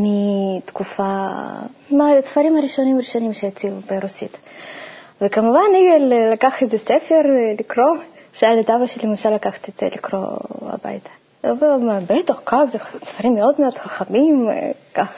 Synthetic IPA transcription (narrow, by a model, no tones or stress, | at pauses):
mit̪kufa | masfaɾimaɾiʃonimaɾiʃonimʃejet͡siubeɾusit̪ | vekamuvanijelelakaχezesefeɾlikɾo | ʃealed̪avaʃelimemʃalːakaxḁt̪ezḛlikɾo̰a̰ba̰jt̪ʰḁ | vomabet̪aχkafzesfaɾimːeo̞d̪meod̥̪xaχamimkaχ